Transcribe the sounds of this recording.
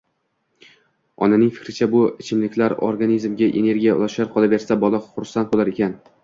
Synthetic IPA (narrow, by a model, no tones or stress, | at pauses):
ɒ̰nanɪŋfɪ̥kʲɾɪt͡ʃʰabʊɪt͡ʃʰɪmlɪkʲlaɾo̰ɾɡanizmɡʲaʔe̞̰ne̞ɾɡʲijaʊ̰lˠaʃaɾqʰɒlabe̞ɾsabɒlˠaχʊɾsant̪̚bolaɾe̞kʲʰan